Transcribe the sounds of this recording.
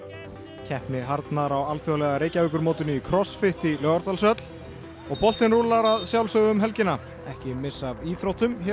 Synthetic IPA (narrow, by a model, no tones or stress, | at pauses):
cʰɛhpnɪɦaɾt̪naɾawalθjɔwlɛɣaɾeːjcavʏkʏɾmoːwt̪ɪnʏikʰɾɔsfɪht̪ilœːɣaɾt̪alsœt̪l̥ | ɔɣpɔl̥t̪ɪnruːlaɾaðsjawlsœɣʏmɦɛlcɪna | ɛhcɪmɪsːaviːθɾowt̪ʏmçɛ